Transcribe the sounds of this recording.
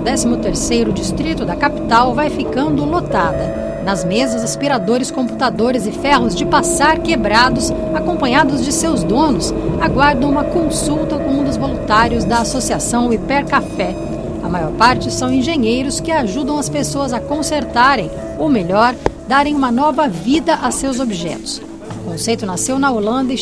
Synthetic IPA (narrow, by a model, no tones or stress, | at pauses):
ʊd̪ɛsimʊt̪eɾsejɾʊd͡ʒist̪ɾit̪ʊd̪ɐkapi̥t̪awvajfikɐ̃nd̪ʊlot̪ad̪ɐ | nɐzmezɐzaspiɾad̪oɾɪskõpu̥t̪ad̪oɾɪzɪfɛhʊzd͡ʒɪpasaɾkebɾad̪ʊs | akõpɐ̃ɲad̪ʊzd͡ʒɪsewzd̪õnʊsaɡwaɾd̪ɐ̃w̃ũmɐkõsuwt̪ɐkõũd̪ʊzvolũt̪aɾjʊzd̪ɐasosiasɐ̃w̃ipɛɾkafɛ | ɐmajɔɾpaɾt͡ʃɪsɐ̃w̃ẽʒẽɲejɾʊskɪaʒud̪ɐ̃w̃ɐspesoɐzɐkõseɾt̪aɾẽj̃ | omeʎɔɾd̪aɾẽj̃ũmɐnɔvɐvid̪ɐʔasewzobiʒɛ̰t̪ʊ̥s | ʊkõsejt̪ʊnasewnɐolɐ̃nd̪ɐɪ